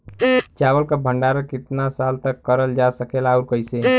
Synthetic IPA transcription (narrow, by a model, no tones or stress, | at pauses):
t͡ʃabəlkəbʱəɳɖaɾəkit̪nasalt̪əkːəɾəld͡ʒasəkelauɾkəjse